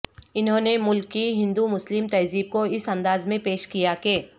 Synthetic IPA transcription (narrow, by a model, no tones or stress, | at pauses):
ɪnɦõːnemʊlkːiɦɪ̃nd̪umʊslɪmt̪ɐziːb̚koɪsɐ̃nd̪aːzmẽpeːʃkijakeː